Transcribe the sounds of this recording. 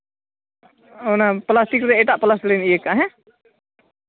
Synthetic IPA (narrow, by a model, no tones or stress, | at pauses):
ɔnaplasʈikɾɛɛʈaʔplaslənijɛkːaɦɛ̃